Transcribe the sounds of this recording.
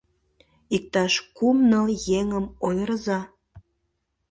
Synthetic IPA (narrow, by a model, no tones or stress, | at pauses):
ik̚t̪ɑʃkumnəljeŋəmojɾzɑ